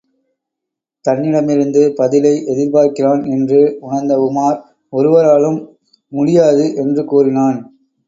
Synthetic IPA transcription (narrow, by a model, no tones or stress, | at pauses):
t̪ɐnːɪɽɐmɪɾɯnd̪ɯpɐðɪlɐɪʔɛðɪɾpaːɾkɪraːnɛndrɯʊɳɐɾnd̪ɐʋʊmaːɾ | ɔɾɯʋɐɾaːlɯmː | ʊɽɪjaːðɯʔɛndrɯkuːrɪnaːn